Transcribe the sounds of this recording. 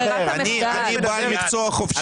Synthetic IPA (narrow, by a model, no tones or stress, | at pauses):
ani | anʲibamʲikt͡soɐχofʃ